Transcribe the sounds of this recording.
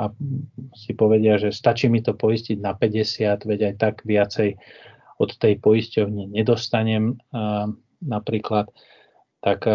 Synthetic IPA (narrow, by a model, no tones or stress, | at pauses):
a | sipɔʋɛɟɪaʒɛst̪at͡ʃiːmit̪ɔpɔisciɟnapɛɟɛsɪad̪ʋɛɟajt̪aɡʋɪat͡sɛj | ɔt̪ːɛjpɔjiscɔʊɲɪɛɲɛd̪ɔst̪aɲɛm | napɾiːklat̪ː | ak